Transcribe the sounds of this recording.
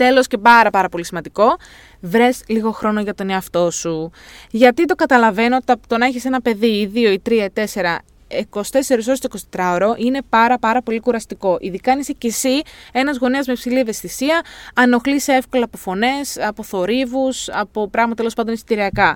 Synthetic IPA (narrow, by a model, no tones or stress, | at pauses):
t̪e̞lo̞sce̞pɐɾɐpɐɾɐpo̞lisimɐnd̪iko̞ | vɾe̞sliɣo̞xɾo̞no̞ʝɐt̪o̞neɐft̪o̞suʝɐt̪it̪o̞kɐt̪ɐlɐve̞not̪t̪ɐt̪onɐeçise̞nɐpe̞ðiiðio̞it̪ɾiɐit̪e̞se̞ɾɐ | eko̞st̪e̞se̞ɾis̬o̞st̪oiko̞st̪et̪ɾɐoɾo̞ʔine̞pɐɾɐpɐɾɐpo̞likuɾɐst̪iko̞ʔiðikɐnisecesie̞nɐzɣo̞niɐzmepsilieve̞st̪isiɐɐno̞xlisee̞fko̞leɐpo̞fo̞ne̞sɐpo̞θo̞ɾivusɐpo̞pɾɐɣmɐt̪ɐt̪elospɐnd̪onesit̪iɾiɐkɐ